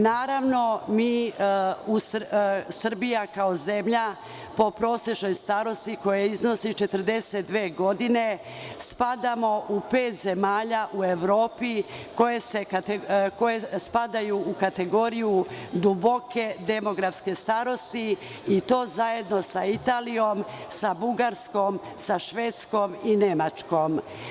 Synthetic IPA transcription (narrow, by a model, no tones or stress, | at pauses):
naːɾaʋno̞miː | ussr̩bijakaoze̞mʎa | po̞pɾo̞ːsjet͡ʃno̞jst̪aːɾo̞st̪iko̞jaizno̞sit͡ʃe̞t̪əɾd̪e̞set̪̚d̪ʋeːɡo̞d̪ine̞ | spad̪amo̞ʔupe̞ːt̪ze̞maːʎaʔueʋɾo̞ːpiko̞jeseko̞jespad̪ajuːkat̪e̞ɡo̞ːɾijud̪ubo̞ke̞d̪e̞mo̞ɡɾafske̞st̪aɾo̞st̪iː | t̪o̞ːzaje̞d̪no̞sait̪aːlijo̞msabuɡaɾsko̞msaʃʋeːt̪sko̞mine̞mat͡ʃko̞m